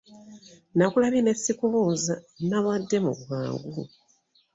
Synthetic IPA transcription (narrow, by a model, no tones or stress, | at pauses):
nakulaβine̞sːikuβoːza | naβadːe̞mṵββa̰ːŋɡu